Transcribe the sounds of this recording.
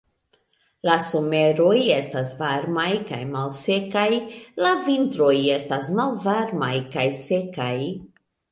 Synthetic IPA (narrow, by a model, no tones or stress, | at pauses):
laso̞me̞ɾo̞je̞stasvaɾmajka̰jmalse̞kajlavintɾo̞je̞stasmalvaɾmajkajse̞kaj